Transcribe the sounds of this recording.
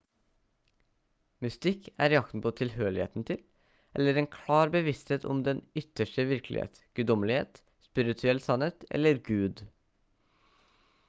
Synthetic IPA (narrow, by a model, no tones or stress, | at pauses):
mʉst̪ɪkʰæ̰ːɾɪɑkt̪n̩pʰoːt̪ʰɪlhøːɭɪhḛːt̪n̩t̪ʰɪl | ʔɛ̰ləɾeːnkʰlɑːɾbəʋɪst̪heːt̪ʰɔ̰md̪ɛnʏt̪əʃʈəʋɪɾklɪ̰hḛːt̪ɡ̥ʉd̪ɔmlɪhḛːt̪ | spɪɾɪt̪ʰʉɛlsɑneːt̪ɛ̰ləɾɡʉːd̪